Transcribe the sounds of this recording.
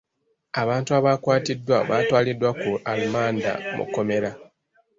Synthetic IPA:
aβaːntuaβaːkwaːtidːwaβaːtwaːlidːwakualumaːnda̰mṵko̞me̞ɾa

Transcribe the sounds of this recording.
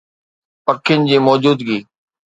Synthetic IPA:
pəkʰɪjənɪ̆d͡ʑiːmɔːd͡ʑuːd̪ɡiː

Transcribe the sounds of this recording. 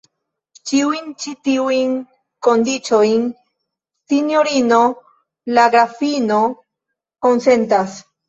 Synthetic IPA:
t͡ʃiujnt͡ʃit̪iujn | kond̪it͡sojn | sinjoɾino | laɡɾafino̞ | konsent̪as

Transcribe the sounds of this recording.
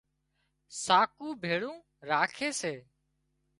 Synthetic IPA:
saːkũːbʱeːɭũː | ɾaːkʰeːseː

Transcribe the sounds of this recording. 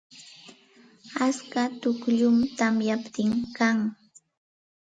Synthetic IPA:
askat̪ʊkʎʊmt̪amjapt̪ɪŋkaŋ

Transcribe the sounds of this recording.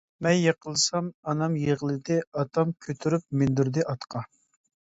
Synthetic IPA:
mɛnjɑqʰəlˠɨsɑmɑnɑmjeʁlˠɨd̪ɪɑt̪ʰɑmkʲʰøt̪ʰyɾyp̚mɪnd̪uɾd̪ɪʔɑt̪qʰɑ

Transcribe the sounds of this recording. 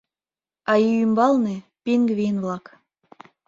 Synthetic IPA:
ɑijymbɑlˠnepʲiŋɡβʲijnvlˠɑk

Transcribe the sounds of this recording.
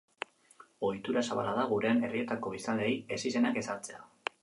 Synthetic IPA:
o̞jt̪uɾasaβa̰lað̞aɣuɾe̞ane̞rie̞t̪ako̞isand̪eje̞sise̞nake̞saɾt͡se̞a

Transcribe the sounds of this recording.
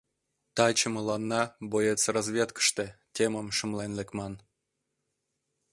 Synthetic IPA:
t̪ɑt͡ɕəməlɑnːɑbojet͡srɑzvʲet̪kə̥ʃt̪etʲeməmʃəmlenlekmɑn

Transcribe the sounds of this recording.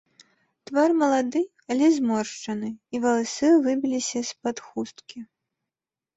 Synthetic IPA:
t̪varmɐlˠad̪ɨ | alʲɛzmɔrʂt͡ʂɐnɨivɐlˠasɨvɨbʲilʲisʲɐspɐt̪xust̪kʲi

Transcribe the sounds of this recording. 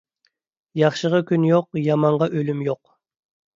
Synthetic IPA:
jɑχʃəʁɑkʲynjoqjɑmɑɴʁɑʔølymjoq

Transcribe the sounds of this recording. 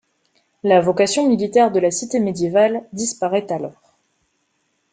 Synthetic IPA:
lavɔkasjɔ̃milit̪ɛʁd̪əlasit̪emed̪jevald̪ispaʁɛt̪alɔːʁ

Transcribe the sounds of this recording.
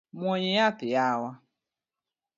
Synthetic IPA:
mʷoɲejatɪjawʷa

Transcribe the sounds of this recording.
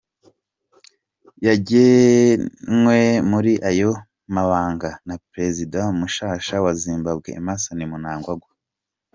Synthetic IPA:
jaɟe | nwemuɾiʔajo̞ | maβaːŋɡanapɾe̞zidaumuʃaːʃawaziːmbabɡḛːmasanimunaːŋɡwaɡwa

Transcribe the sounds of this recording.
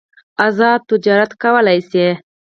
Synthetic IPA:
azɑːd̪̚t̪ːʊd͡ʒɑːɾat̪kawəlajse

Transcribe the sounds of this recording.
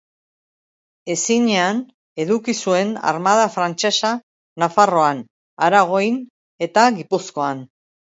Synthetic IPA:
e̞siɲe̞an | e̞ðukisue̞na̰ɾmaðafɾant͡ʃe̞sa | nafaro̞an | aɾaɣ̞o̞jn | e̞t̪aɣipusko̞an

